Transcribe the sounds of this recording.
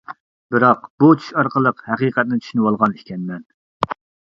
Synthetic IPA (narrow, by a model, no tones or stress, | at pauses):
bɨɾɑqb̥ut͡ʃʰy̥ʃɑɾqəlˠəqhɛqiːqɛt̪̚nɪt͡ʃ̪ʰy̥ʃynɨwɑlˠʁɑnikʲʰɛnmɛn